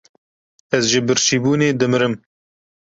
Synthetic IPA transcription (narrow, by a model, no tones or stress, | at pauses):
ɛzʒɨbɨɾʃiːbuːneːd̪ɨmɨɾɨm